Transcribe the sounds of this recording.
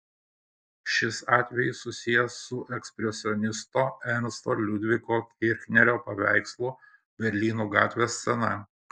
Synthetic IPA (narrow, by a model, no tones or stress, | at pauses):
ʃʲɪsɑːt̪ʲʋʲɛjɪsːʊsʲɪjɛsʊʔɛksʲpʲɾʲɛsʲɪɔnʲɪst̪oːɛnʲst̪olʲʊd̪ʲʋʲɪkoːkʲɪɾʲxʲnʲɛɾʲoːpɐʋʲæˑɪkslˠuː | bʲɛɾʲlʲiːnuːɡɑːt̪ʲʋʲeːsʲsʲɛnɐ